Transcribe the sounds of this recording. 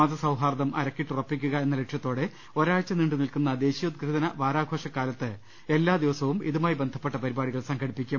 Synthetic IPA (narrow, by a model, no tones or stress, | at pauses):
aːd̪ɐsɐwɦaːrðɐmʔɐ̰ɾɐkːiʈːurɐpːikʲːuɣɐe̞nːɐleʈʂɐt̪ːo̞ːɽe̞ | o̞ːɾaːɻt͡ɕːɐniɳɖɨnilkunːɐd̪e̞ːɕijut̪̚ɡɾɨd̪ɐnɐʋaːɾaːɡʱo̞ːʂɐkːaːlɐt̪ːɨ | e̞lːaːd̪iʋɐsɐʋumḭðumaːjibe̞nd̪ʱɐ̥pːe̞ʈːɐpɐɾibaːɽiɣɐɭsɐŋɡʰʱɐɽipːikʲːum